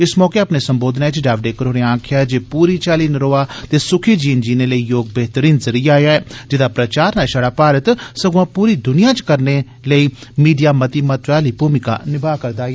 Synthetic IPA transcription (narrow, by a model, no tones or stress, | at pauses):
ɪsmɔːkeaːpneːsəmboːd̪naːɪt͡ʃɖaːʋɖeːkəɾoːɽeãːkʰɪjaːɛd͡ʒeːpuːɾiːt͡ʃaːliːnɾoːaːt̪eːsʊkʰiːd͡ʒiːnd͡ʒiːneːləiːjoːɡ̚bɛɦt̪əɾiːnzəɾijaːjaːɛːd͡ʒɪd̪aːpɾət͡ʃaːɾnaːsaːɽaːpaːɾət̪səɡõãːpuːɾiːd̪ʊnɪjãːt͡ʃkəɾne | ləiːmiːɖijaːmət̪iːmət̪ʋaːliːpuːmɪka̰ːnɪbaːkəɾd̪aː